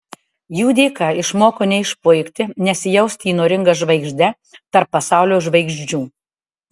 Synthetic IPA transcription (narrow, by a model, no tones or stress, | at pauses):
juːd̪ʲeːkɑɪʃmoːkoːnʲɛɪʃpʊɪkʲt̪ʲɪnʲɛsʲjɛʊsʲt̪ʲiːnoːɾʲɪŋɡɐʒʋɐɪɡʒʲd̪ʲɛ | t̪ɐɾpːɐsɑˑʊlʲoːʒʋɐɪɡʒʲd͡ʒʲuː